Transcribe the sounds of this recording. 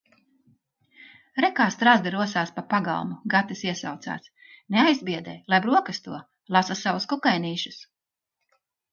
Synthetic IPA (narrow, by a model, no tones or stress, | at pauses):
ɾɛkaːst̪ɾazd̪ɛɾuɔsaːspapaɡa̰lˠmuɡat̪isiɛsa̰wt̪sa̰ːs | neajzbʲiɛd̪ɛ̰ːlˠajbɾuɔkɨst̪uɔ | lˠasasavuskukajniːʃus